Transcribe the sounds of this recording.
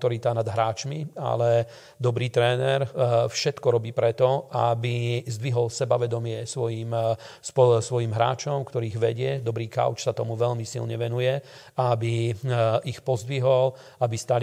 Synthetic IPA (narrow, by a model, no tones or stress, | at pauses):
t̪ɔɾit̪anad̪ɦɾaːt͡ʃmia̰lɛ | d̪ɔbɾiːt̪ɾɛːnɛɾfʃɛt̪kɔɾɔbiːpɾɛt̪ɔabizd̪ʋiɦɔlsɛbaʋɛd̪ɔmɪɛsʋɔjiːmspɔsʋɔjiːmɦɾa̰ːt͡ʃɔmkt̪ɔɾiːɣʋɛɟɪɛd̪ɔbɾiːka̰ʊt͡ʃsat̪ɔmuʋɛʎmisḭlɲɛʋɛnujɛ | aabi | ixpɔzd̪ʋiɦɔl | abist̪al